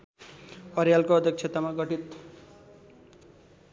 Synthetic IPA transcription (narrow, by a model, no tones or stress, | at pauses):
ʌɾjalkoʌd̪ʱjʌk̚t͡sʰet̪amaɡʌʈit̪